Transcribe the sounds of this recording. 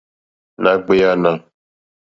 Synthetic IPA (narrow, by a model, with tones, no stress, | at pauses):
nã˦ɡ͡be˦ja˦nã˨